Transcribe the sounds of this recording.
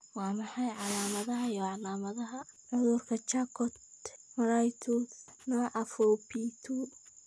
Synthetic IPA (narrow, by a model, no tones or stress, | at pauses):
wɑːmɑħɑjʕɑlaːmɐðɐɦɐjɔʕɑlaːmɐðɐɦɐʕʊðʊrkʰɐt͡ʃakʰɔt̪mɐɾajt̪ʰusnɔʕʔɐfɔpʰit̪ʰu